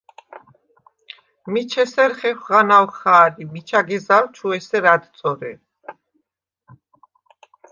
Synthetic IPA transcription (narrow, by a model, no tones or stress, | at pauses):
mit͡ʃʰɛsɛɾχɛχʁanawχaːɾimit͡ʃʰaɡɛzalt͡ʃʰuɛsɛɾad̪t̪sʼɔɾɛ̰